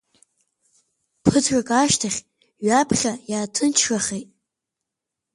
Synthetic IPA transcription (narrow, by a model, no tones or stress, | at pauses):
pʰɨtʰrakʼaʃtʰaχʲ | ɥapʰχʲajaːtʰɨnt͡ʃʰraχejtʼ